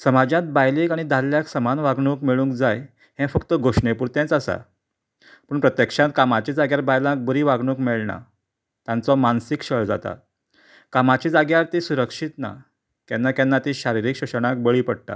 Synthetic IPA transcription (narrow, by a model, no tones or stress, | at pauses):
səmad͡ʑjãt̪̚bajlekaɽ̃id̪alːjaksəmanʋaɡɳũːkmeɭũːŋkd͡zaj | ɦɛ̃fəkt̪əɡʱoʂɳepuɾt̪ẽt͡sasa̰ | pəːɳpɾət̪jəkʂãt̪̚kamat͡ɕid͡zaɡjaɾbajlãk̚bəɾiːʋaɡɳũkmeɭɳa̰ | t̪jãnt͡sɔmansikɕəɭd͡za̰t̪a̰ | kamat͡ɕid͡zaɡjaɾt̪isuɾəkʂit̪na̰ | kjanːakjanːat̪iɕaɾiɾiːkɕəʂɽ̃ãk̚bəɭiːpəɽt̪a̰